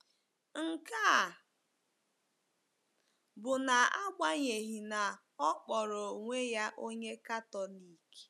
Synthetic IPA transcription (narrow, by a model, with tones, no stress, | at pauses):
ŋ̩˨ka˦˨ | bʊ˨na˨a˦ɡ͡bʷa˦ɲe˨ɦi˨na˨ | ɔ˦k͡pɔ˨ɾo˨ŋʷe˦ja˦ʔo˦ɲe˦ka˦tɔ˨li˨k